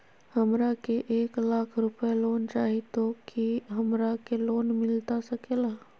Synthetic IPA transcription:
hɐmɾakeʔeːklaːkʰɾʊpəeloːnt͡ʃaːɦit̪okiɦɐmɾakeloːnmɪlt̪asɐkeːlaː

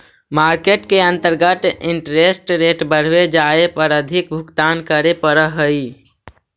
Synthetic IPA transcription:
maːɾkeʈkeə̃nt̪əɾɡət̪ɪ̃ɳʈɾeːsʈɾeːʈbəɽ̤wed͡ʒaːepəɾəd̪ʱɪk̚bʱʊkt̪aːnkəɾepəɾəɦəi

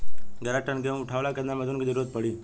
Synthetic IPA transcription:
ɡəɾaʈənɡeũʊʈʰaʋlakəɾnamed̪ʱunkid͡ʒəɾuɾət̪̚pəɽiː

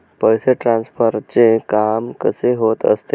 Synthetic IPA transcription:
pəjseʈɾansfʰəɾt͡ɕekamkə̰seɦot̪ə̰st̪e

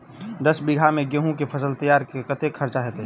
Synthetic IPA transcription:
d̪ɐsbɪɡʱamẽɡeɦũkefʰɐsəlt̪ɐjaːɾkekɐt̪ekʰɐɾt͡ʃaɦɛːt̪e

